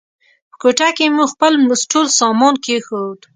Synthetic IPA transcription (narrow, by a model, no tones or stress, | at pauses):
pə̥koʈakemuxpəlmʊsʈolsɑmɑnkexod̪